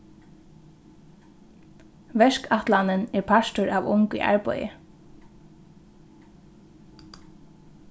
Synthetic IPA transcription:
ʋɛʃkaht̪lanɪnɛɹpʰaʃt̪ʊɹaːʋʊŋkʏ̰ʔa̰ɹpɔ̰jɪ̰

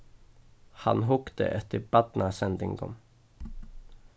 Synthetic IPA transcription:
ha̰nɦʊkt̪ə̰ʔɛt̪ːəɾbat̪nasɛnd̪ɪ̰ŋɡɔ̰m

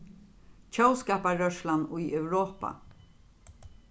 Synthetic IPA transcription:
t͡ʃʰœwskaːpaɾœʃlanʊjœwɾoːpa̰

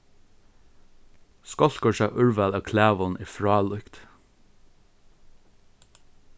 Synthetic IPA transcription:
skɔlkɔʃæʔʉɹʋælɑːkʰlæːʋɔnʔiːfɹɑːlʉkt̪

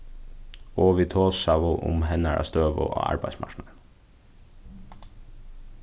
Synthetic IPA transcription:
oːʋit̪ʰoːsɑʋʊʔʊ̰mhɛnæɾʔɑ̰ːst̪øːʋo̰ʔo̰ːɑ̰ɾbæɪsmɑ̰ʃnɑən

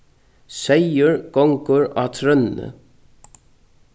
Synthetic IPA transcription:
sejəɹɡ̥ɔŋkʊɹaːt̪ʰɾœnnə̰

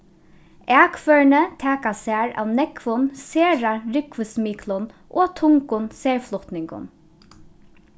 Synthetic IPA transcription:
æːkfœɹɳət̪ʰɛːkasæaːɹa̰ːʋnɛkʋʊnseːɹaɹɪkʋəsmiːkʰlʊnʔoːt̪ʰʊŋkʊnseːɹflʊht̪nɪŋkʊ̰n

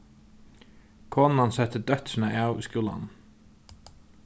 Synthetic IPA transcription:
kʰɔːnnansɛt̪əd̪œt̪ɾnəʔɑːʉiskjuːla̰n

